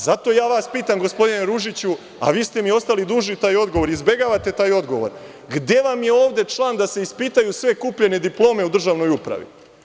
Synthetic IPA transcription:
zat̪o̞ːjaːʋaːspiːt̪amɡo̞spo̞d̪ineɾuʒit͡ɕu | a̰ʋiːst̪e̞mio̞st̪alid̪uːʒit̪aːjo̞d̪ɡoʋo̞ɾizbe̞ɡaːʋat̪e̞t̪aːjo̞d̪ɡo̞ʋo̞̰ɾ | ɡd̪e̞ʋamje̞o̞ːʋd̪e̞t͡ʃlˠaːnd̪ase̞ispiːt̪ajusʋe̞kuːpʎe̞ne̞d̪iplˠo̞ːme̞ud̪r̩ʒaʋno̞jupɾa̰ʋḭ

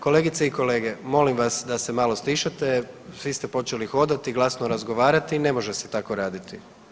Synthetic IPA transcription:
ko̞le̞ːɡit̪seiko̞le̞ːɡe̞mo̞limʋasd̪ase̞maːlo̞sliːʃat̪e̞sʋist̪e̞po̞t͡ʃe̞lixo̞d̪at̪iɡlˠasnoɾazɡo̞ʋaːɾat̪ine̞mo̞ʒeset̪ako̞ɾaːd̪it̪i

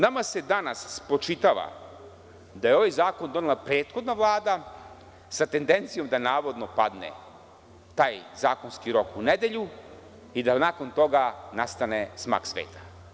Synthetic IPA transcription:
namase̞d̪anaspɾot͡ʃit̪aʋa̰ | d̪ajeo̞ʋajzaːko̞nd̪o̞nelˠapɾeːt̪xo̞d̪naʋlˠaːd̪a | sat̪e̞nd̪e̞nt̪sijo̞md̪anaːʋo̞d̪no̞pa̰d̪nḛ | t̪aːjzaːkonskiɾo̞kuned̪e̞ʎu | id̪anako̞nt̪o̞ɡanast̪anesma̰ːksʋḛːt̪ʰḁ

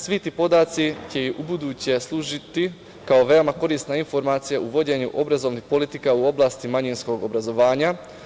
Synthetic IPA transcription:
sʋit̪iːpo̞d̪aːt̪sit͡ɕe̞iʔubud̪uːt͡ɕe̞slˠuːʒit̪i | kao̞ʋe̞omako̞ɾiːst̪nainfo̞ɾmaːt̪sijaʔuʋo̞d͡ʑe̞ɲuʔo̞bɾazo̞ʋnixpo̞lit̪ikauo̞blˠaːst̪imaɲinsko̞ɡo̞bɾazo̞ʋaːɲa

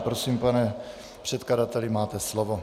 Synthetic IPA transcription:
pɾosiːmpanɛ | pr̥ɛt̪kladat̪ɛlɪmaːt̪ɛslovo

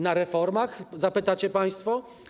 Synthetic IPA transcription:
naɾɛfɔɾmaxzapɘt̪at͡ɕɛpaj̃st̪fɔ

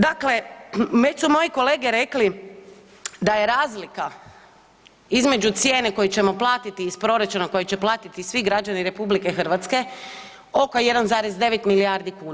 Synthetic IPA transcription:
d̪akle̞mesumo̞jiko̞le̞ːɡeɾe̞kli | d̪aje̞ɾaːzlika | izme̞d͡ʒut̪sje̞ːneko̞jet͡ɕe̞mo̞plˠaːt̪it̪iːspɾo̞ɾat͡ʃunako̞jet͡ɕe̞plˠaːt̪it̪isʋiɡɾad͡ʒaniɾe̞publikexr̩ʋat̪ske̞ | o̞koje̞d̪anzaːɾezd̪e̞ʋet̪miliaːɾd̪ikuːna

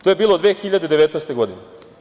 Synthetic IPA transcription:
t̪oje̞biːlˠod̪ʋe̞ːxiʎad̪ed̪e̞ʋet̪nɛst̪e̞ɡo̞d̪ine

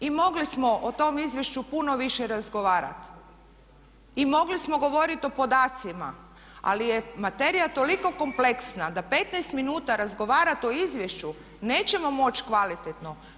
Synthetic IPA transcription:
imo̞ɡlismo̞ʔot̪o̞mizʋje̞ʃt͡ʃupuno̞ʋiʃeɾazɡo̞ʋaːɾa̰t̪ | imo̞ɡlismo̞ɡo̞ʋo̞ɾit̪o̞po̞d̪aːt̪sima̰ | a̰lijemat̪e̞ɾijat̪o̞liko̞ko̞mple̞ksnad̪ape̞t̪najst̪minuːt̪aɾazɡo̞ʋaːɾat̪o̞izʋje̞ʃt͡ɕu | ne̞ːt͡ɕe̞mo̞mo̞t͡ɕkʋalit̪et̪no̞

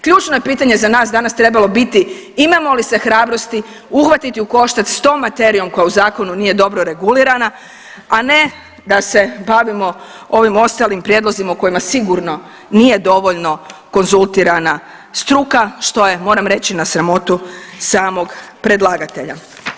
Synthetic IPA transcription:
kʎuːt͡ʃnoje̞piːt̪aɲe̞zanaːs̬d̪anast̪ɾe̞balo̞bit̪i | imamo̞lise̞xɾaːbɾo̞st̪i | uxʋat̪it̪iuko̞ʃt̪at̪st̪o̞ːmːat̪e̞ɾijo̞mko̞jauzaːko̞nuniːje̞d̪o̞bɾoɾe̞ɡuliɾana | ane̞ | d̪ase̞baʋimo̞ | o̞ʋimo̞st̪alimpɾjed̪lo̞zimauko̞jimasiɡuɾno̞ | nije̞d̪o̞ʋo̞ʎno̞ko̞nzulˠt̪iɾana | st̪ɾukaʃt̪o̞je̞mo̞ːɾamɾe̞t͡ɕinasɾamo̞t̪usaːmo̞ɡpɾe̞d̪lˠaɡat̪e̞ʎa̰

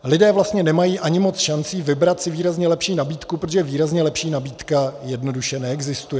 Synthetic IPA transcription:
lɪdɛːvlast̪ɲɛnɛmajiːʔaɲɪmo̞t͡sʃant͡siːvɪbɾat̪sɪviːɾazɲɛlɛpʃiːnabiːt̪kupɾot̪oʒɛjɛviːɾazɲɛlɛpʃiːnabiːt̪kajɛdno̞duʃɛnɛɛɡzɪst̪ujɛ

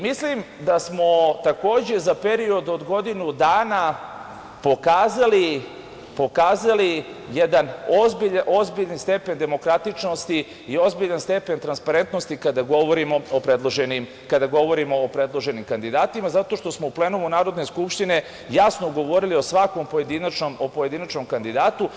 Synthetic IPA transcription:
mislim | d̪asmo̞t̪ako̞ːd͡ʑe̞zapeɾio̞d̪o̞d̪ɡo̞d̪inud̪aːna | pokaːzali | po̞kaːzalijed̪anozbiʎaʔo̞zbiʎanst̪e̞pe̞nd̪e̞mo̞kɾat̪it͡ʃno̞st̪i | io̞zbiʎanst̪e̞pe̞nt̪ɾanspaɾe̞nt̪no̞st̪ikad̪aɡo̞ʋoɾimo̞opɾed̪lˠoʒenim | kad̪aɡo̞ʋo̞ɾimoːpɾe̞d̪lˠo̞ʒe̞nimkand̪id̪aːt̪imazat̪o̞ʃt̪o̞smouple̞numunaːɾod̪ne̞skupʃt̪ine̞ | jasnoɡo̞ʋo̞ɾilio̞sʋako̞mpoje̞d̪inat͡ʃnomopoje̞d̪inat͡ʃno̞mkand̪id̪aːt̪u

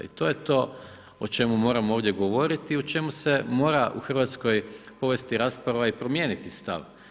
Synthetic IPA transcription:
ḭt̪o̞jet̪o̞ː | ot͡ʃe̞mumo̞ːɾamooːʋd̪jeɡo̞ʋo̞ɾit̪iot͡ʃe̞muse̞mo̞ːɾaʔṵxr̩ʋaːt̪sko̞jpo̞ʋe̞st̪iɾaːspɾaʋaipɾo̞mje̞ːnit̪ist̪a̰ʋ

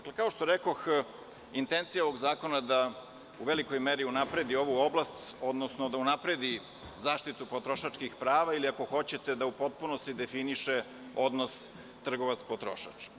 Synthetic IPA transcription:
aklekao̞ʃt̪oɾeko̞x | int̪ent̪sijaoʋo̞ɡzaːko̞nad̪a | uʋeliko̞jmeɾiunapɾe̞d̪io̞ʋuo̞blˠast̪o̞d̪nosnod̪aunapɾed̪i | zaːʃt̪it̪upo̞t̪ɾo̞ʃat͡ʃkixpɾaːʋailiako̞xo̞t͡ɕet̪ed̪aupo̞t̪̚puno̞st̪id̪e̞finiʃe | o̞d̪nos | t̪r̩ɡo̞ʋat̪spot̪ɾo̞̰ʃa̰t͡ʃ

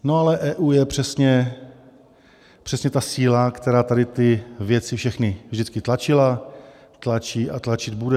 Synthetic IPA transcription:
noalɛʔɛːʔuːjɛpr̝̥ɛsɲɛ | pr̥ɛsɲɛt̪asiːlakt̪ɛɾaːt̪adɪt̪ɪvjɛt͡sɪfʃɛxnɪvʒdɪt͡skɪt̪lat͡ʃɪla | t̪lat͡ʃiːʔat̪lat͡ʃɪd̪̚budɛ

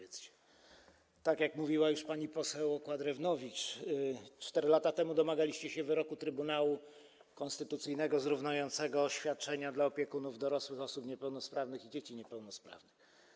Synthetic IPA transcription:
t̪st͡ɕɛ̥ | t̪akʲjakmuvʲiwajuʂpaɲipɔsɛwɔkwad̪ɾɛvnɔvʲit͡ʂ | t͡ʂt̪ɛɾɘlat̪at̪ɛmud̪ɔmaɡalʲiɕt͡ɕɛɕɛvɘɾɔkut̪ɾɘbunawu | kɔ̃nst̪ɘt̪ut̪sɘjnɛɡɔzɾuvnajɔnt̪sɛɡɔːɕfʲjat̪̚t͡ʂɛɲad̪laɔpʲjɛkunuvd̪ɔɾɔswɘxɔsupɲɛpɛwnɔspɾavnɘxid͡ʑet͡ɕiɲɛpɛwnɔspɾa̰vnɘx

